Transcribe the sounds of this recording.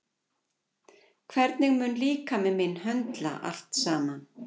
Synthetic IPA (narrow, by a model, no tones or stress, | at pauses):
kʰvɛɾt̪nɪɣmʏnliːkamɛðmɪnɦœnt̪la̰ʔa̰l̥t̪saːman